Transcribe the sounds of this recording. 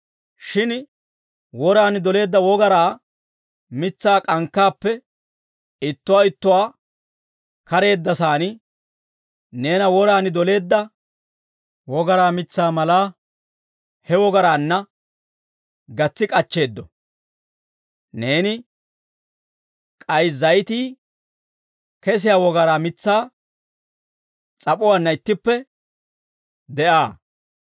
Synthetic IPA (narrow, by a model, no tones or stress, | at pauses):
ʃɪn | wɔɾaːnɪd̪ɔle̞ːd̪ːɐwɔɡɐɾaː | mɪt͡sːaːkʼɐŋkːaːpːɛ | ɪt̪ːʊwaːɪt̪ːʊwaː | kɐɾe̞ːd̪ːɐsaːnɪ | ne̞ːnɐwɔɾaːnɪd̪ɔle̞ːd̪ːɐ | wɔɡɐɾaːmɪt͡sːaːmɐlaː | hɛwɔɡɐɾaːnːɐ | ɡɐt͡sːɪkʼɐt͡ʃːe̞ːd̪ːɔ̰ | ne̞ːnɪ | kʼɐjzɐjt̪iː | kɛs̬ɪjaːwɔɡɐɾaːmɪt͡sːaː | t͡sʼɐpʼʊwaːnːɐɪt̪ːɪpːɛ | d̪ɛʔaː